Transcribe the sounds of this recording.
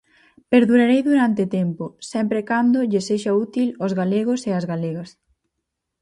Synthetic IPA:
peɾðuɾaɾejðuɾant̪ɪt̪ɛmposɛmpɾekand̪ʊʎɪseʃaut̪ilozɣaleɣ̞ʊseɐzɣaleɣɐs

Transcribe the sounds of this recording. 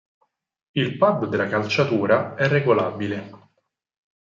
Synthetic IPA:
ilpad̪ːd̪elːakalt͡ʃat̪uːɾaɛrːeɡolaːbile

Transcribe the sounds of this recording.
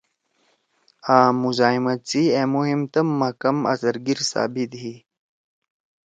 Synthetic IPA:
aːmuzaːimɐt͡sieːmuɦimt̪ɐmːɐkɐmɐ̰sɐɾɡiɾsa̰ːbid̪ɦi

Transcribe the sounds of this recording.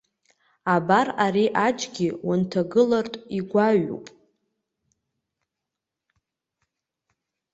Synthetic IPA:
abaraɾiʔad͡ʒɡʲiwantʰaɡɨlartʼiɡʷaɥṵpʼ

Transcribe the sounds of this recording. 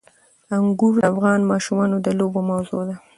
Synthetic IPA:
aŋɡuɾafɣɑnmɑʃumɑnod̪əlobomawzod̪a

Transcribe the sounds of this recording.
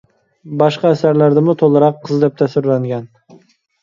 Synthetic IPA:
bɑʃqɑːsæɾlæɾd̪ɪmʊt̪ʰolˠɨɾɑqʰːɨzd̪ep̚t̪ʰæsɪɾlæŋɡʲɛn

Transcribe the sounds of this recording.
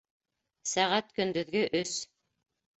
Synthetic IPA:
sæʁæt̪kɵ̆nd̪ɵ̆ðɡɵʔɵs

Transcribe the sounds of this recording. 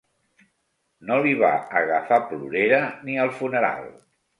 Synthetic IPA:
noliβa̰əɣəfapluɾeɾəniəlˠfunəɾa̰lˠ

